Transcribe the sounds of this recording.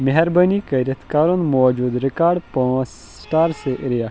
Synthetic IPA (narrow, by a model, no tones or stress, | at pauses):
meɦɛɾbɐnikɐɾɐt̪ʰkaːɾonmɔːd͡ʒuːd̪ɾɪkaːɾɖpɐ̃s | sʈaːɾseʔɾijaː